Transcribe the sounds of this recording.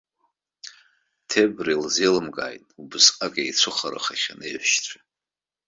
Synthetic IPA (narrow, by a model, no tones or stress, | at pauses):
tʰebrilzelɨmɡʼa̰ːjtʼubɨsqʼakʼejt͡sʷʰɨχaɾa̰χaχʲanejħʷʃt͡sʷʰa